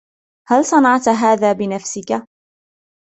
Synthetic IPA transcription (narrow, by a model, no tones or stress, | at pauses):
halsˤɑnɑʕt̪ɦaːðaːbɪnafsɪka